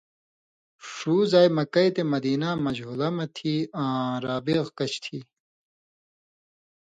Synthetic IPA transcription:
ʂuːzaːjmɐkɐjt̪emɐd̪iːnamɐd͡ʑɦulɐmɐt̪ʰiːãːɾaːbiɣkɐt͡ɕʰt̪ʰiː

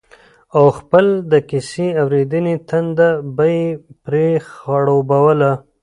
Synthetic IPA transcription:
awxpəld̪əkɪsiawɾed̪ənet̪and̪abajpɾexaɽobawəla

